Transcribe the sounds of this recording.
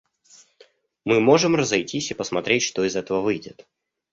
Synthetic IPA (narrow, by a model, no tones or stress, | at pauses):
mɨmo̞ʐɨmrəzɐjtʲisʲipəsmɐt̪ɾʲetʲʂt̪o̞ɪzɛt̪əvəvɨjdʲɪt̪